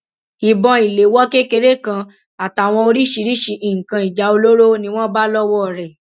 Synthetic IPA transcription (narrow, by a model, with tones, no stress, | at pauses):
i˨bɔ̃˧i˨le˨˦wɔ˦ke˦ke˧ɾe˦kã˧ | a˨ta˨w̃ɔ̃˧o˧ɾi˦ʃi˧ɾi˦ʃi˧ʔi˨ŋ̩˨kã˧i˨d͡ʒa˨˧o˧lo˦ɾo˦nĩ˧w̃ɔ̃˦ba˦lɔ˦wɔ˦˨ɾɛ˨